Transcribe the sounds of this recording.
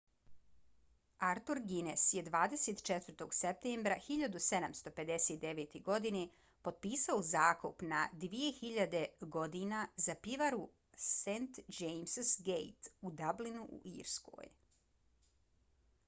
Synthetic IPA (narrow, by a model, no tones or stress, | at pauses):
aɾt̪uɾɡinesje̞d̪ʋaːd̪eset̪t͡ʃet̪ʋr̩t̪o̞ɡsep̚t̪eːmbɾaxiʎad̪use̞d̪amst̪o̞pe̞d̪eset̪̚d̪e̞ʋet̪eɡo̞d̪ine | po̞d̪̚piːsaozaːkupnad̪ʋije̞xiʎad̪e̞ɡo̞d̪inazapiʋaɾu | sent̪d͡ʒejmssɡejt̪ud̪ablinuʔṵʔḭːɾsko̰ːj